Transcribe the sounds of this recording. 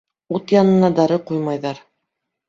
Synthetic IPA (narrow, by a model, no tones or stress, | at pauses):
ut̪jɑnɤ̆nɑd̪ɑɾɤqujmɑjðɑɾ